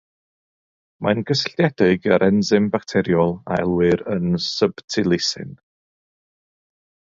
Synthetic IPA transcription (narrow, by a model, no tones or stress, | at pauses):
manɡəsɬɛdɪɡəɾʔɛnzɪmbaktʰɛɾjɔlˠa̰ɛ̰lˠwɪɾənsəb̥tʰɪlˠɪsɪ̰n